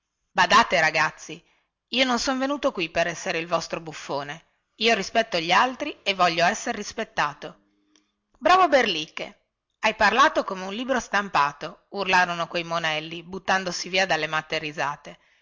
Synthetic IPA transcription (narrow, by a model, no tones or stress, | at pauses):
bad̪aːt̪eɾaɡat̪sːi | iːononsonvenuːt̪okwipeɾɛsːeɾeilvɔst̪ɾobufːoːne | iːoɾispɛt̪ːoʎːialt̪ɾievːɔʎːoɛsːeɾːispet̪ːaːt̪o | bɾaːvoberlikːḛ | ajparlaːt̪okomeunliːbɾost̪ampaːt̪ourlaːɾonokwejmonɛlːibut̪ːand̪osiviːad̪alːemat̪ːerizaːt̪e